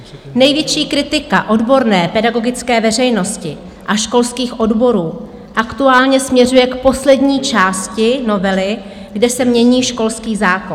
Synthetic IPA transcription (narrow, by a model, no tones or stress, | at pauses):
nɛjvjɛt͡ʃiːkɾɪt̪ɪka̰ʔo̞dbo̞ɾnɛːpɛdaɡo̞ɡɪt͡skɛːvɛrɛjno̞scɪ | ʔaʃko̞lskiːxʔo̞dbo̞ɾuː | ʔakt̪uaːlɲɛsmɲɛrujɛkpo̞slɛdɲiːt͡ʃaːscɪno̞vɛlɪ | ɡdɛsɛmɲɛɲiːʃko̞lskiːzaːkon